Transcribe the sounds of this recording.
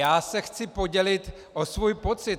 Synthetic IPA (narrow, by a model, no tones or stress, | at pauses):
aːsɛxt͡sɪpo̞ɟɛlɪt̪ | ʔosvujpo̞t͡sɪt̪